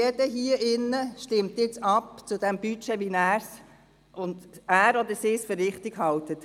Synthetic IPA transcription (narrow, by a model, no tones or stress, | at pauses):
ɛd̥əɦiəʔɪnːəʃtɪmt̪jɪt͡sɑpt͡sʊd̥̪ɛmb̥yt͡ʃɛʋinæːɾs | ʔʊnd̪æːɾɔd̪əɾsɪːsføɾrːɪχt̪ɪɡhɑlt̪ət